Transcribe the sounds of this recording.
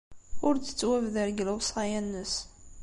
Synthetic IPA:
ʊɾt͡sə̥t͡sːwævðəɾɡləwsˤʁɑjænːəs

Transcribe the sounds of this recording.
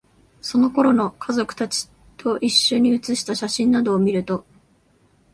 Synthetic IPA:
so̞no̞ko̞ɾo̞no̞kʰazo̞kɯ̟̥t̪at͡ɕi̥ | t̪ʰo̞ʔiɕːo̞ɲ̟ːiɯ̟t͡sɨɕi̥t̪aɕaɕĩnːad̪o̞ːmʲiɾɯ̟t̪o̞

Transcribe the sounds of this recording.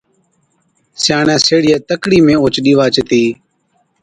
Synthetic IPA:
sjaːɳɛ̃ːseːɽɪjɛːt̪əkɽiːmẽːoːt͡ʃɗiːʋaːt͡ʃət̪iː

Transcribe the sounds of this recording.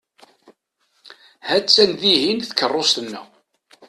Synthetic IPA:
hæt͡sːænðiɦinθə̥kərˤːost̪ənːæ̰

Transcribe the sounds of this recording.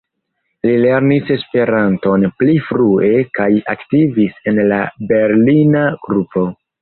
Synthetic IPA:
lile̞ɾnise̞spe̞ɾanto̞nplifɾue̞kaja̰ktivise̞nlabe̞ɾlinaɡ̥ɾupʰo̞

